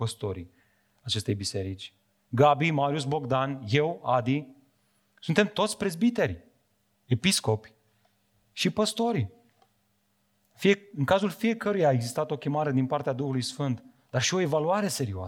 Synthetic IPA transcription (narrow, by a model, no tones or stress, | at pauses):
pəst̪o̞ɾḭ | at͡ʃe̞st̪e̞jbise̞ɾit͡ʃʲ | ɡabimaɾius̬bo̞ɡd̪anje̞wad̪i | sunt̪emt̪o̞t̪sʲpɾe̞zbit̪e̞rʲ | e̞pisko̞pʲ | ʃipəst̪o̞ɾʲ | fiɨŋkazulfije̞kəɾujaːe̞ɡzist̪at̪o̞kʲe̞maɾe̞d̪inpart̪ead̪uxulujsfɨnt̪ | d̪arʃio̞e̞valuaɾe̞se̞ɾioa̰